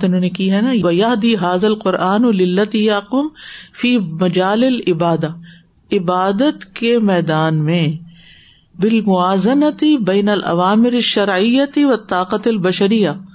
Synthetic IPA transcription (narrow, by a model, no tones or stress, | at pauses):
t̪ɪnõːnekiɦɛnaʋɐjɐɦd̪iːɦaːðɐlqʊɾʔaːnlɪlːɐt̪iːjaqʊmfiːmɐd͡ʒaːlɪlɪbaːd̪a | ɪbaːd̪ət̪kemɛːd̪aːnmẽ | bɪlmʊaːzɐnat̪ɪbɛːnɐlʔɐ̰ʋaːmɪɾɪʃːɐɾʕɪjːat̪ɪʋɐt̪ːaːqat̪ɐlbɐʃɐɾɪjːa